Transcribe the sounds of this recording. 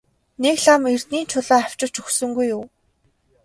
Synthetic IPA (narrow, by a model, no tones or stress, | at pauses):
nekɮamer̥t̪niːnt͡ɕʰʊɮaːaw̥t͡ɕɪ̥̆t͡ɕɵxsɵ̆ŋɡujːʊː